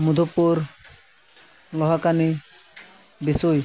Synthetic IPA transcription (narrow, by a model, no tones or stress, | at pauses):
mud̪ʱopːuɾ | lɔɦakani | bisuj